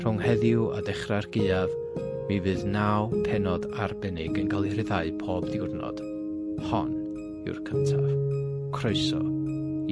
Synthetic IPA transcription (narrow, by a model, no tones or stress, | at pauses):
r̥ʊŋhɛðjʊa̰dɛχrarɡeːav | mivɨːðnawpʰɛnɔdarbɛnɪɡənkʰalˠirɪðaɨpʰoːbðɪwrnɔ̰d̥ | hɔn | ɪ̰wrkʰəntʰav | kʰroɨsɔ̰